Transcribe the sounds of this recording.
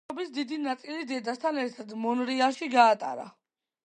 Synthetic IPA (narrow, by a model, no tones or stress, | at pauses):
ɔbisd̪id̪inat̪sʼilid̪ɛd̪ast̪ʰanɛɾt̪ʰad̪mɔnɾiaʃiɡaːt̪ʼa̰ɾa̰